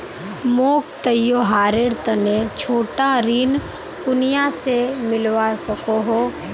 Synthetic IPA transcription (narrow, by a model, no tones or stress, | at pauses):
moːkt̪əjoɦaːɾeɾt̪ənet͡ʃʰoːʈaɾiːn | pʊnɪjasemɪlʋasəkoɦoː